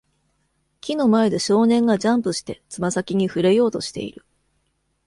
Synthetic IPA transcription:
kʲino̞mae̞d̪e̞ɕo̞ːnẽ̞ŋɡad͡ʑãmpɯ̟ɕi̥t̪e̞t͡sɨmasakʲiɲ̟iɸɯ̟ɾe̞jo̞ːt̪o̞ɕi̥t̪e̞̰ḭɾɯ̟

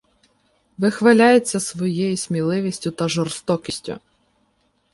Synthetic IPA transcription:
ʋɪxʋɐlʲajet͡sʲːɐsʋɔjejisʲmʲilˠɪʋʲisʲtʲʊt̪ɐʒɔrst̪ɔkʲisʲtʲʊ̰

